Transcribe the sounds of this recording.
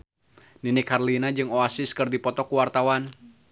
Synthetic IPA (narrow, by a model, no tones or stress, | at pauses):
ninɪkʰarlinad͡ʒɨŋoasiskɨrdipɔt̪ɔkuwart̪awan